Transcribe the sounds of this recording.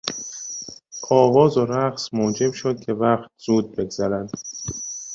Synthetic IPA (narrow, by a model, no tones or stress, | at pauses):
ʔɒːvɒːzoɾæχsmoːd͡ʒe̞bʃod̪̥̚cʲʰe̞væχt̪̚z̥uːd̪̚be̞ɡz̥æɾænd̪̥